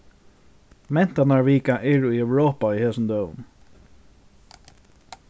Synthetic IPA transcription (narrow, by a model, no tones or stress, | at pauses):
mɛn̥t̪anaɹviːkaʔɛɹujɛwɾɔːpaihɛːsʊmd̪œːw̰n